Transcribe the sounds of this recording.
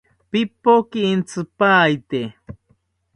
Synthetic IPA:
pipokiːnt͡sɨpaːjt̪e

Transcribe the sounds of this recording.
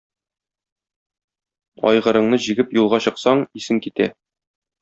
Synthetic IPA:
ɒ̰jʁɤ̆ɾɤ̆ɴnɤʑiɡɘpjulˠʁɑɕɤ̆qsɑɴisɘŋkit̪æ

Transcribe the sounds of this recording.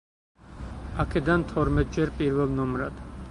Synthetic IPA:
akʰɛd̪ant̪ʰɔɾmɛt̪̚d͡ʒɛɾpʼiɾvɛlˠnɔmɾad̪̥

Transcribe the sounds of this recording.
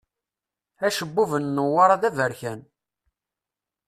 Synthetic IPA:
æʃəbːuvənːəwːaɾˤɑðævəɾçæn

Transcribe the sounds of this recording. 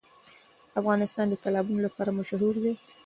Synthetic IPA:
afɣɑnɪst̪ɑnd̪əkalɑbunolapɑɾamaʃɦuɾd̪e

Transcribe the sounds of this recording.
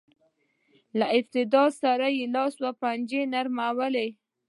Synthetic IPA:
laɪft̪ɪd̪ɑsaɾajelɑswapand͡ʒenaɾmawəle

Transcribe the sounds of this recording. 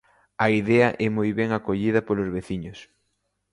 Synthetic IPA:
ɐiðɛɐʔɛmojβɛŋakoʎiðɐpolozβeθiɲʊs

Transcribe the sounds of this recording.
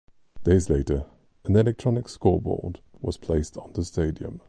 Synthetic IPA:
d̥eɪzleɪtə˞ | ə̃nɛlɛk̚tʰɹ̥ɑnɪkskɔːbɔ̰ɹdwʌ̰z̥pʰl̥eɪstn̩ðəsteɪdiə̰̃m

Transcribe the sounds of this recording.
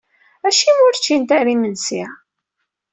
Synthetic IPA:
æʃimʊɾt͡ʃːint̪æɾimənsi

